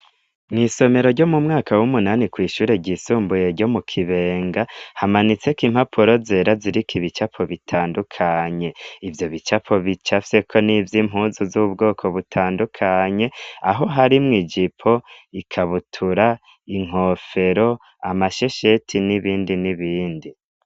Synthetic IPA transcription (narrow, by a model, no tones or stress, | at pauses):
mŋiːso̞me̞ɾo̞ɾɟo̞mumŋaːkawumunanikwiːʃuːɾe̞ɟisuːmbuje̞ɾɟo̞mukʰiβe̞ːŋɡahamanit͡se̞kiːmhapʰuɾo̞ze̞ːɾaziɾikʰiβit͡ʃapʰo̞βitʰaːndukʰaɲe̞ivjo̞βit͡ʃapʰo̞βit͡ʃafse̞kʰo̞nivjim̥ɦuːzuzuβub̚ɡo̞ːkʰo̞βutʰaːndukʰaɲe̞aɦo̞ɦaɾimŋid͡ʒipʰo̞ikʰaβutʰuɾa | iŋ̥o̞fe̞ɾo̞ | amaʃe̞ʃetʰiniβiːndiniβiːndi